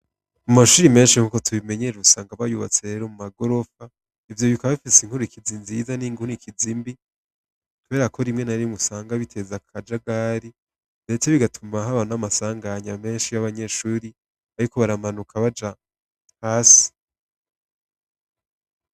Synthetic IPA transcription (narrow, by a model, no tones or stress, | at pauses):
amaʃuːɾime̞ːnʃiŋuːko̞tʰuβime̞ɲeɾuusaːŋɡaβajuβa̰t͡se̞ɾe̞ɾo̞mumaɡo̞ɾo̞fa | ivjo̞βikaβaβifisiŋhuɾuikizinzizaniːŋɡunikizimbi | kʰuβe̞ːɾakʰo̞ɾimŋe̞naɾimusaːŋɡaβitʰe̞zakʰad͡ʒaɡaːɾi | de̞t͡se̞βiɡatʰumaɦaβanamasaːŋɡaɲame̞ːnʃijaβaɲe̞ʃuːɾi | aɾiko̞βaɾamanukʰaβad͡ʒa | haːsi̥